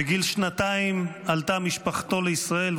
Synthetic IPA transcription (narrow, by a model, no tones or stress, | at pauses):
eɡilʃnat̪aimalt̪amiʃpaχt̪o̞leisʁae̞l